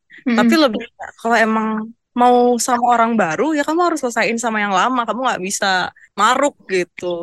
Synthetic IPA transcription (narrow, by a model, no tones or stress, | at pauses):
t̪apiləbɪha̰ʔkaloemaŋ | mausamaoɾaŋbaɾujakamuhaɾʊsləsaɪnsamajaŋlamakamuŋɡa̰ʔbisa | maɾʊk̚ɡit̪u